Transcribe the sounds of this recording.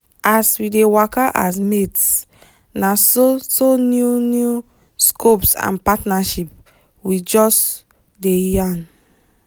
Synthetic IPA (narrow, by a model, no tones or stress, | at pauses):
aswidewɔkaʔas̬mets | nasosonjunju | skʰopsã̰npatnaʃip̚ | wid͡ʒɔs | dejãn